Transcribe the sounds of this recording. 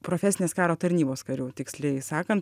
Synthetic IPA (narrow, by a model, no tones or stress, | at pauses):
pɾofʲɛːsʲɪneːskɑːɾoːt̪ɐɾʲnʲiːboːskɐɾʲuːt̪ʲɪksʲlʲɛɪsɑːkɐnt̪